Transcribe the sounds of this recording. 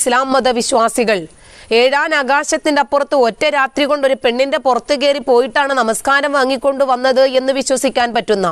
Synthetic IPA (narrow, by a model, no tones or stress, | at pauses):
slaːmːɐd̪ɐʋiɕwaːsiɣɐɭ | eːɻaːnaɡaːɕɐt̪ːindeɐpːurɐt̪ːɨo̞tːeɾaːt̪riɣo̞ɳɖo̞ɾupe̞ɳːinde̞purɐt̪ːɨɣe̞ːripo̞ːjiʈːaːɳɨnɐmɐskaːɾɐmʋɐŋːikʲːo̞ɳɖuʋɐnːɐðɨe̞nːɨʋiɕwɐsikʲːaːnpɐtːunːɐ